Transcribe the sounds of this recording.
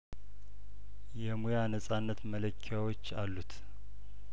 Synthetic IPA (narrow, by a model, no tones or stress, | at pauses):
jɛmujanəsʼanːət̪mələkʰːjawo̞t͡ʃːalːut̪